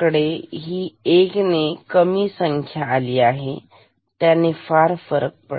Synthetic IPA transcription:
kəɽeɦiːeknekəmiːsəŋkʰjaːliːaɦe | t̪janefaɾfəɾək̚pə̰

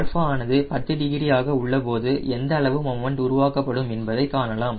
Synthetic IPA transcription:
ɾfɐaːnɐðɯpɐt̪ːɯɖɪɣɪɾɪjaːɣɐʊɭːɐpoːðɯʔɛnd̪ɐːɭɐʋɯmɔmːɐɳɖʊɾʊʋaːkɐpːɐɽɯmɛnbɐðɐɪkːaːnɐlaːm

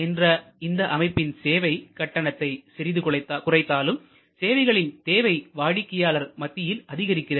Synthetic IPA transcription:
ɛndrɐɪnd̪ɐʔɐmɐɪpːɪnseːʋɐɪkɐʈːɐɳɐt̪ːɐɪsɪɾɪðɯkɭɐɪt̪ːaːkʊrɐɪt̪ːaːlɯm | seːʋɐɪɣɐɭɪnt̪eːʋɐɪʋaːɽɪkːɪjaːlɐɾmɐt̪ːɪjɪlɐðɪɣɐɾɪkːɪrɐ

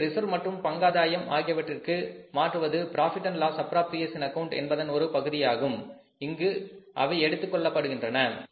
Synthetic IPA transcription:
ɾɪsɐɾmɐʈrɯmpɐŋɡaːðaːjɐmʔa̰ːɣɪjɐʋɐʈrɪrkɯmaːʈrɯʋɐðɯpɪɾaːfɪʈːɐnlaːsɐpɾaːp̚t̪ɪjɐsɪnɐkɐʊɳʈɛ̰nbɐðɐnɔɾɯpɐɣɯðɪjaːɣɯm | ɪŋɡɯʔɐ̰ʋɐɪɛɽɯt̪ːɯkːɔɭːɐpːɐɽɯɣɪndrɐnɐ

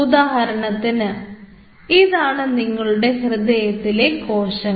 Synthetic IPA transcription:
ud̪aːɦɐɾɐɳɐt̪ːinɨ | iðaːɳɨniŋːɐɭuɽe̞hrɨd̪ejɐt̪ːile̞ko̞ːɕɐ

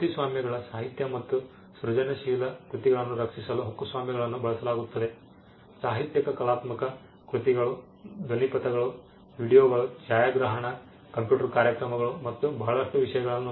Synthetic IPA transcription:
ut̪isʋaːmjɐɡɐɭɐsaːɦit̪jɐmɐt̪ːu | sɾud͡ʒɐnɐʃiːlɐkɾut̪iɡɐɭɐnːuɾɐkʂisɐluɦɐkːusʋaːmjɐɡɐɭɐnːubɐɭɐsɐlaːɡut̪ːɐd̪e̞ | saːɦit̪jɐkɐkɐlaːt̪mɐkɐ | kɾut̪iɡɐɭu | d̪ʱonipɐt̪ɐɡɐɭu | ʋiːɽijoːɡɐɭud͡ʒaːjaːɡɾɐɦɐɳɐ | kɐmpjuːʈɐɾkaːɾjɐkɾɐmɐɡɐɭumɐt̪ːubɐɦɐɭɐʂʈuʋiʂɐjɐɡɐɭɐnːu

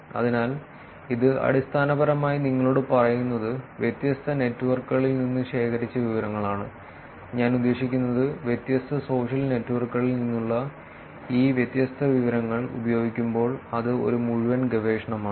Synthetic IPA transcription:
ɐ̰ðinaːl | iðɨɐ̰ɽist̪ʰaːnɐbɐɾɐmaːjiniŋːɐɭoːɽɨpɐrɐjunːɐðɨʋjet̪jɐst̪ʰɐne̞tːuʋɐrkːɣɐɭilninːɨɕe̞ːkʰɐɾit͡ɕːɐʋiʋɐɾɐŋːɐɭaːɳɨ | ɲaːnud̪ːe̞ːʂikʲːunːɐðɨʋjet̪jɐst̪ʰɐso̞ːʂɐlne̞tːuʋɐrkːɣɐɭilninːuɭːɐ | iːʋjet̪jɐst̪ʰɐʋiʋɐɾɐŋːɐɭṵbɐjo̞ːɡikʲːumbo̞ːɭɐðɨo̞̰ɾumuɻuʋɐnɡeʋeːʂɐɳɐmaːɳɨ

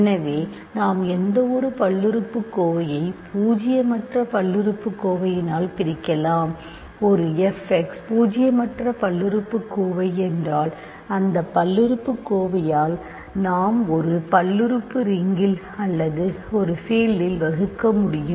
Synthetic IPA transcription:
ɛnɐʋeː | naːmɛnd̪ɐɔɾɯpɐɭːɪɾɯpːɯkːoːʋɐjɐɪpʰuːd͡ʒɪjɐmɐʈrɐpɐɭːɪɾɯpːɯkːoːʋɐjɪnaːlpɪɾɪkːɐlaːm | ɔɾɯɛfɛkspuːd͡ʒɪjɐmɐʈrɐpɐɭːɪɾɯpːɯkːoːʋɐɪɛndraːl | ɐnd̪ɐpːɐlːɪɾɯpːɯkːoːʋɐjaːl | naːmɔɾɯpɐlːɪɾɯpːɯɾɪŋɡɪl | ɐlːɐðɯ | ɔɾɯfeːlːɪlʋɐɣɯkːɐmʊɽɪjɯm

